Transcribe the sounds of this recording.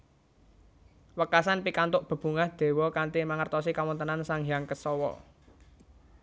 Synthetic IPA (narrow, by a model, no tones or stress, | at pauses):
wəkasanpikant̪ʊʔb̥ə̤b̥ṳŋahd̪̥e̤wɔkanʈ̪imaŋərt̪ɔsikawɔnt̪ənansaŋjaŋkəsɔwɔ̰